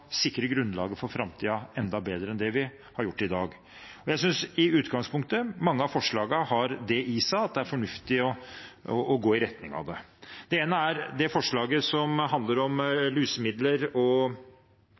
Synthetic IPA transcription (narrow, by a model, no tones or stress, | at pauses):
sɪkːɾəɡɾʉnlɑ̰ːɡəfɔɾfɾɑmt̪ʰiːɑɛnd̪ɑbeːd̪ɾəɛnd̪ɛʋɪ | hɑɾjʊʈːɪd̪ɑːɡ | ɔjæɪsʏnsɪʉːt̪ɡɑŋspʊŋk̚t̪əmɑŋːəɑfɔʂɭɑːɡəhɑɾd̪ɛʔiːsæɑt̪̚d̪ɛæɾfɔɳʉft̪ɪɔɔʔːɡoːɪɾɛt̪nɪŋɑ̰ʋd̪ɛd̪̥ɛeːnəæɾd̪ɛfɔʂɭɑːɡəsɔmɦɑnd̪ləɾɔmlyːsəmɪd̪ləɾɔ